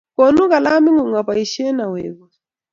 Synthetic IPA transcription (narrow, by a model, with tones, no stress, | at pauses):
kɔ˨nu˦ka˨la˦mi˦ŋu˨ŋa˨pa˨i˨ʃɛ˦na˨wɛː˨βɔ˨